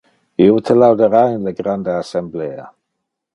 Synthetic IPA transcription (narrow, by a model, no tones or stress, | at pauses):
iwtʰəlawdəɾajnləɡɾandaasɛmbleːa̰